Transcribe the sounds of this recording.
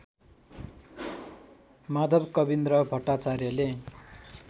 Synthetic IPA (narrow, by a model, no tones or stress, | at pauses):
mad̪ʱʌbkʌbind̪ɾʌbʱʌʈːat͡sarjʌle